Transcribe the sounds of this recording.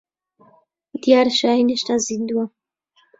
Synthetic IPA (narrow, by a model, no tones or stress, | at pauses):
d̪ijaɾʃaineʃnazind̪uwa